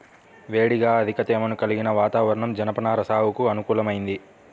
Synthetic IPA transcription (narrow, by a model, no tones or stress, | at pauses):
ʋeːɽiɡaːɐd̪ʱikɐt̪ɛːmɐnukɐliɡinɐʋaːt̪aːʋɐɾɐɳɐmd͡ʒɐnɐpɐnaːɾɐsaːwukuɐnukuːlɐmɐjind̪i